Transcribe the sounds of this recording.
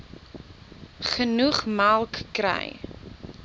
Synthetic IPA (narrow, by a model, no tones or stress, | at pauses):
χənuχmalˠkːrə̰j